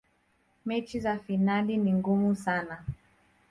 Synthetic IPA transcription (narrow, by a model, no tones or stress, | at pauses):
mɛt͡ʃizafinaliniŋɡumusana